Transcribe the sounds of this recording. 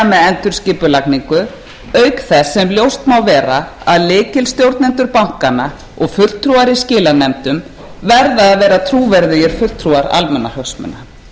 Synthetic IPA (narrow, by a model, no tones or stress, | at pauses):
mɛðɛnt̪ʏɾ̥scɪːpʏlakniŋkʏ | œːɥkθɛsːɛmljowst̪mawvɛːɾa | aðlɪːcɪlst̪jowɾt̪nɛnt̪ʏɾpawŋ̥kana | ɔɣfʏl̥t̪ʰɾuaɾiscɪːlanɛmt̪ʏm | vɛɾðaːðvɛːɾat̪ʰɾuːvɛɾðɪjɪɾ̥fʏl̥t̪ʰɾuaɾa̰lmɛnːahœksmʏ̰nːa